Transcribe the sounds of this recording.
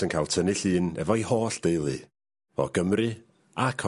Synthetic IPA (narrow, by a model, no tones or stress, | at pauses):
ənkʰalˠtʰənɨɬɨːnɛ̰vɔihoːɬd̥ejlˠɨ | ɔ̰ɡ̥əmrɨ | akʰɔ